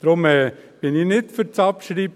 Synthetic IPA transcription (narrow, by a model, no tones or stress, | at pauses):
d̥ɾʊmɛːb̥ɪnɪnɪtfəɾt͡sɑpʃɾiːb